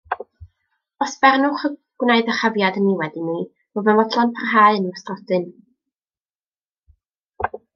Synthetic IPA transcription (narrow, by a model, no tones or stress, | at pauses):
ɔsb̥ɛrnʊχəɡ̥wneɨðəχavjadənːiwɛdini | vɔvɛmɔdlˠɔnpʰarɦaːɨənəmastrɔdɨn